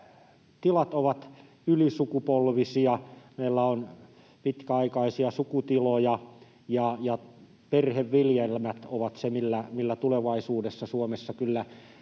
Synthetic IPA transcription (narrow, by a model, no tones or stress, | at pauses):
t̪ilɑt̪oʋɑt̪ | ylisukupolʋisiɑmeilːæon | pit̪kæɑikɑisiɑsukut̪ilojɑ | jɑjɑ | perheʋʋiljelmæt̪oʋɑt̪semilːæmilːæt̪uleʋɑisuːdesːɑsuomesːɑkylːæ